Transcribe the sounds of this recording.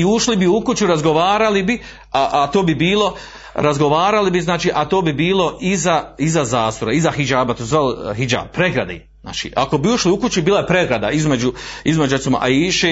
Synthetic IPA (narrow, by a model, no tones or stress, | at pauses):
iuʃlibiukut͡ʃuɾazɡo̞ʋaːɾalibi | aʔat̪oːbibiːlo̞ | ɾazɡo̞ʋaːɾalibiznaːt͡ʃiːʔat̪oːbibiːlo̞ʔizaizazaːsoɾaizahid͡ʒaːbat̪oːszʋaːlɦid͡ʒa̰ːb̚pɾeɡɾad̪ḛ | zna̰ːt͡ʃḭːʔa̰ko̞biuʃliukut͡ʃubiːlˠajepɾe̞ɡɾad̪aizmed͡ʒuizmed͡ʒuɾet̪simo̰ʔa̰iːʃeː